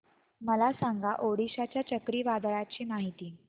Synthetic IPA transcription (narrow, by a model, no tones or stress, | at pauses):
məlasãŋɡaʔoɽiɕat͡ɕjat͡ɕəkɾiːʋad̪ɭjat͡ɕiːmaɦit̪iː